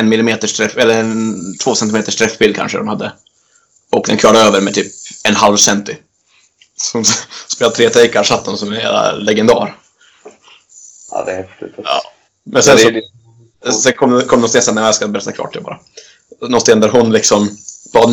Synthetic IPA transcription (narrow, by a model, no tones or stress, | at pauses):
ɛnmɪlɪmeːt̪əʂtʰɾɛfɛlːəɛnt̪ʰvoːsɛnt̪ɪmeːt̪əʂʈʰɾɛfbɪld̪̚kʰa̰nʂəd̪ɔmhad̪ːə | ɔk̚d̪ɛnkʰvɑːɖaøːvəɾmɛt̪ʰyːp̚ɛnɦalvsɛnt̪ɪ | sɔʊnspeːlat̪ʰɾeːt̪ʰɾɛɪkaɾʂat̪ːɔmsɔmɛjæ̰la̰lɛɡɛnd̪ɑ̰ːɾ | a̰d̪ɛhɛft̪ɪt̪ɑ̰ | mɛnsɛnsɔ | sɛnkʰɔmd̪kʰɔmd̪ɔmst̪eːsanːɛmɛskabɛɾɛt̪ːakʰvɑ̰ːʈʰːɪbɑ̰ːɾa | nɔst̪eːnd̪æɾɦʊnlɪksɔmb̥ɑːd̪